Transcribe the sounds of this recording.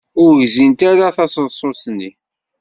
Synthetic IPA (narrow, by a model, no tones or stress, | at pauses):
ʊɾʝzint̪aɾaθɑsənsˤosnːi